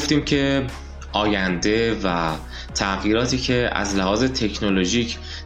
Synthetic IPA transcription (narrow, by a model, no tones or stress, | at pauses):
ft̪iːmcʰe̞ | ʔɒːjænd̪e̞væ | t̪ʰæɣiːɾɒːt̪ʰiːcʰe̞æ̰zlæhɒːze̞t̪ʰe̞cʰnoloʒiːcʰ